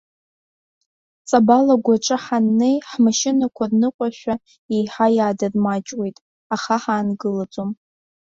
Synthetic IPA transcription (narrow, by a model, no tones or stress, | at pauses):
t͡sʼabalaɡʷaʈ͡ʂʼɨħanːe̞jħmaʃɪnakʷʰarnɨqʷʼaʃʷᶣa | ejħajaːdarmat͡ʃʼwe̞jtʼ | aχaħaːnɡɨlat͡sʼom